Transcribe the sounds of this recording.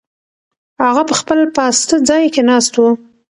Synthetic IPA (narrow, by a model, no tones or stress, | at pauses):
haɣapəxpəlpɑst̪əd͡zɑjkenɑst̪wu